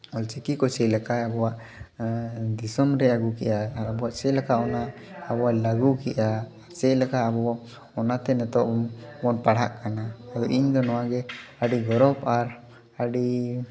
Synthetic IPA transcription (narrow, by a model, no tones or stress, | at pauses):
ɔlt͡ʃɛkikɔt͡ʃɛjlakajabɔwaʔ | d̪isɔmɾɛaɡukɛ̰ʔaːɾabɔwaʔt͡ʃɛlakaʔɔnaː | bɔwajlaɡukɛʔaː | ɾt͡ʃɛjlakaabɔwa | ɔnat̪ɛnɛt̪ɔʔbɔnpaɽ̤a̰ʔkanaːɡɔʔiɲd̪ɔnɔwaɡɛaɖiɡɔɾɔpaɾ | aɖi